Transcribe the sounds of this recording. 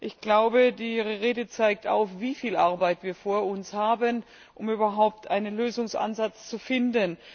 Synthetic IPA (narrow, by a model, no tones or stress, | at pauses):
ʔɪçɡ̥laʊbədiːʁəʁeːdət͡saɪk̚ta̰ʊxv̥iːfiːlʔaɐbaɪtv̥iːɐfoːɐʊnshaːbən | ʔʊmyːbɐɦaʊp̚tʔaɪnənløːzʊŋsʔa̰nzat͡st͡sufɪndən